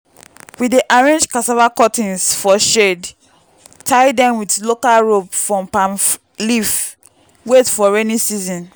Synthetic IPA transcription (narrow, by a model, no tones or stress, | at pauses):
widiʔaɹẽnd͡ʒkasavakɔtĩnsfɔʃed | tʰaɪdɛ̃mwidlokalɹopfɹɔ̃mpãn | lif | wetfɔɹɛnisizɔ̃n